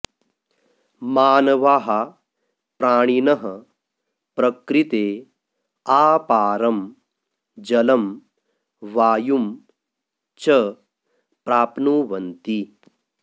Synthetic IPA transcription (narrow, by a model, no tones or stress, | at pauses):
maːnɐʋaːɦa | pɾaːɳ̃inɐɦɐ | pɾɐkɾit̪eː | aːpaːɾɐm | d͡ʒɐlɐm | ʋaːjum | t͡ʃɐ | pɾaːpnuːʋɐnt̪i